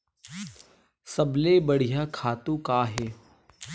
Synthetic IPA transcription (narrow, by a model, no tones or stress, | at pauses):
sɐbleːbəɽ̤ijaːkʰaːt̪ũkaːɦeː